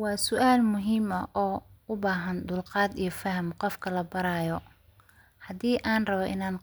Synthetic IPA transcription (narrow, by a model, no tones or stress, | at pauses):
wɑːsʊʔaːlmʊɦiːmɐʔɔːʊbaːɦɐnd̪ʊlqɑːd̪ijɞfɐhɐmqɔfkʰɐlɐbɐɾaːjɔ | hɐd̪iːʔaːnrɐβɔʔɪnaːn